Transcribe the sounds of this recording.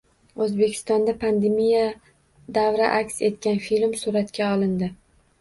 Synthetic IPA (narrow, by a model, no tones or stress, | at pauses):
ɵzbe̞kʲʰɪ̥st̪ɒnd̪apʰand̪emija | d̪avɾaʔakʲse̞t̪̚kʲanfilmsuɾat̪kʲaɒlˠɪnd̪ɪ